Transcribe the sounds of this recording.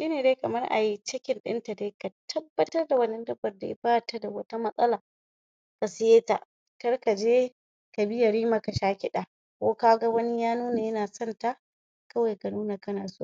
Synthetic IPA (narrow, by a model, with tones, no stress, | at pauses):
ʃiː˦neː˨deː˦kɐ˨mɐ˦rʔa̰˨ji˦t͡ʃɪ˦kʲɪ˨nɗɪ̰˦nta˨deː˦ka˨tʰɐ˦bːɐ˦tɐ˦rda˨wɐ˦nːɐ˦ndɐ˦bːɐ˨rda˨jɪ̰˦baː˦˨ta˦da˨wɐ˦ta˦mɐ˦sʼɐ˦laː˨ | ka˨sɪ˦jeː˦ta̰˨ʔ | kɐ˦rka˨d͡ʒeː˦ | ka˨bɪ˦ja˨ɾiː˦ma˨ka˨ʃaː˦kʲɪ˦ɗa˨ | kʷoː˦kaː˦ɡa˦wɐ˦nɪ˦jaː˦nuː˦na˨jɐ˦naː˨sɔ˦nta˦ | kɐ˦wa˨jka˨nuː˦na˨kɐ˦naː˨soː˦˨